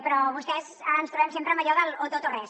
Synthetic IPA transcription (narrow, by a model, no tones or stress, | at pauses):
pɾɔβust̪ɛzaɾənst̪ɾuβɛmsempɾəmɐʎɔðəlot̪ot̪orɛs